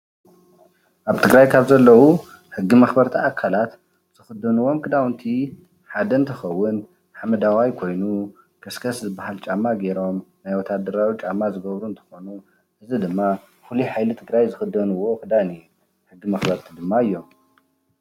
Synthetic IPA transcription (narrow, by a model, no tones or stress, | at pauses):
ʔaβt̪ʰɨɡɾajkʰaβzɐlːɐwu | ħɨɡːimɐxbɐɾt̪ʰiakʰalat̪ | z̥ɨxɨd̪ːɐnuwo̞mkʰɨd̪awnt̪ʰi | ħad̪ɐɨnt̪ʰɐxɐwːʊn | ħamɐd̪awajkʰo̞jnu | kʰɐskʰɐszɨbahalt͡ʃʼamːaɡeɾo̞mnajwɔt̪ʰad̪ɐɾawit͡ʃʼamːazɨɡɐβɾuɨnt̪ʰɐ̥xo̞nu | ʔɨzid̪ɨmːa | fuliħajlɨt̪ʰɨɡɾajzɨxɨd̪ːɐnuwo̞kʼɨd̪anij | ħɨɡːimɐxbɐɾt̪ʰid̪ɨmːaɨjːo̞m